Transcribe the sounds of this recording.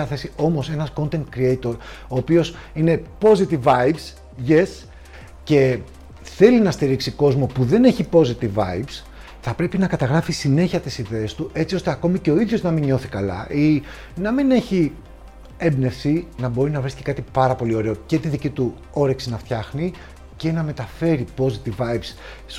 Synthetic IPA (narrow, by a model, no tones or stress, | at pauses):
ɐθe̞sio̞mo̞se̞nɐsko̞nt̪e̞ŋt̪kɾiejt̪o̞ɾo̞ːpio̞sine̞po̞zit̪ivɐjvs | ʝes | ce̞ | θe̞linɐst̪iɾiksiko̞zmo̞puðe̞ne̞çipo̞zit̪ivɐ̰ivs | θɐpɾe̞pinɐkɐt̪ɐɣɾɐfisine̞çiɐt̪isiðe̞ːst̪uʔe̞t͡sio̞st̪e̞ɐko̞mice̞o̞iðʝo̞znɐmiɲo̞θikɐlɐ̰ʔi | nɐmine̞çi | embne̞fθinɐbo̞ɾinɐvɾisci̥kɐt̪ipɐɾɐpo̞lio̞ɾe̞o̞ce̞t̪iðicit̪u | o̞ɾeksinɐft̪çɐxni | ce̞nɐme̞t̪ɐfe̞ɾipo̞zit̪ivɐjvs